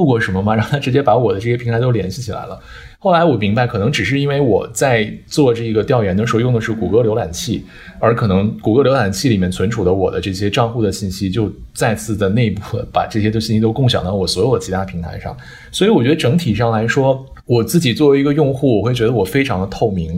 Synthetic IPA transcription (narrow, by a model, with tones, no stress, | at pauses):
u˥˧kwɔ˥˩ʂə˧˥mə˧mɐ˨˩ɻɑ˥˩ŋ˩t̪ʰa˥ʈ͡ʂɻ̩˧˥t͡ɕjɛ˥pa˧˥wɔ˨˩d̪ə˦ʈ͡ʂɤ˥˩ɕjɛ˥i˧˥ŋt̪ʰa˧˥t̪o˥˧ljɛ˧˥nɕi˥˩t͡ɕʰi˨˩la̰˧˥lə˧ | xo˥˩ʊla˧˥ɪwɔ˨˩mi˧˥ŋba˧ɪkʰɤ˨˩nɤ˧˥ŋʈ͡ʂɻ̩˨˩ʂ̬ɻ̩˥˧i˥nwe˥˩ɪwɔ˨˩t͡sa˥˧ɪt͡swɔ˥˧ʈ͡ʂɤ˥˩˧ɡə˩t̪jɑ˥˩ʊɥɛ˧˥nd̪ə˩ʂɻ̩˧˥˧jʊ˥˩ŋd̪ə˩ʂɻ̩˥˩ku˨˩kɤ˥ljo˧˥ʊla˨˩nt͡ɕʰi˥˩ | ə˞˧˥kʰɤ˨˩nɤ˧˥ŋku˨˩kɤ˥ljo˧˥ʊla˨˩nt͡ɕʰi˥˩li˨˩mjɛ˥˩nt͡sʰə˧˥nʈ͡ʂʰu˨˩d̪ə˦wɔ̰˨˩d̪ə̰˦ʈ͡ʂɤ˥˩ɕjɛ˥ʈ͡ʂɑ˥˧ŋxu˥˩d̪ə˩ɕi˥˩nɕi˥t͡ɕjo˥˧ʊt͡sa˥˧ɪt͡sʰɹ̩˥˩d̪ə˩ne˥˧ɪpu˥˩pa̰˨˩ʈ͡ʂɤ˥˩ɕjɛ˥t̪ɕi˥˧nɕi˥t̪o˥ʊkʊ˥˩ŋɕjɑ̰˨˩ŋd̪ɑ˥˩wɔ˨˩swɔ˧˥jo˨˩ʊd̪ə˩t͡ɕʰi˧˥t̪a˥pʰi˧˥ŋt̪ʰa̰˧˥ɪʂɑ̰˥˩ŋ | swɔ˧˥i˧˥wɔ˨˩t͡ɕɥɛ˧˥d̪ə˧ʈ͡ʂɤ˧˥ŋt̪ʰi˨˩ʂɑ˥˩ŋla˧˥ɪʂwɔ˥ | wɔ˨˩t͡sɹ̩˥˩t͡ɕi˨˩t͡swɔ˥˩i˧˥ɡə˧jʊ˥˧ŋxu˥˩wɔ˨˩xwe˥˩ɪt͡ɕɥɛ˧˥d̪ə˧wɔ˨˩fe˥ɪʈ͡ʂʰɑ˧˥ŋd̪ə˧t̪ʰo˥˩ʊmi˧˥ŋ